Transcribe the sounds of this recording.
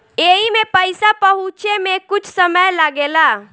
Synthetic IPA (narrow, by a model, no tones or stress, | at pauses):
eimepəɪsapəɦut͡ʃemekʊt͡ʃʰsəməjlaɡela